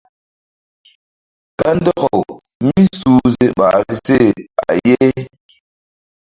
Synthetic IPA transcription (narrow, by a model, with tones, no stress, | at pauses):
ka˦n˦dɔ˦ɣɔ˨w | mi˦suː˦ze˦ɓa̰˨ɾi˦se˦˨a̰˨je˦